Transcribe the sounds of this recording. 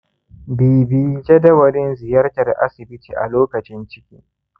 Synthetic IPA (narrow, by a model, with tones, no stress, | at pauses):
biː˨bi˦d͡ʒe˦dɐ˦wɐ˨lɪ˦nzɪ˨jɐ˦rtɐ˨rʔa̰˦sɪ˨bɪ˦tḭː˨ʔa̰˨loː˦kɐ˨t͡ʃɪ˦nt͡ʃɪ˦kʲḭː˦